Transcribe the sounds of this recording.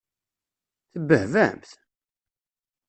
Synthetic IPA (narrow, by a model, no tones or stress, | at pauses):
θəbːəhvæ̰mθ